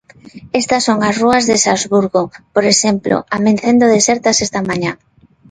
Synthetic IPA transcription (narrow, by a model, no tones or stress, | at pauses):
est̪ɐsːoŋasruɐzðesazβuɾɣopoɾeʃemplo̰ʔamẽnθend̪oðeseɾt̪asest̪amaɲa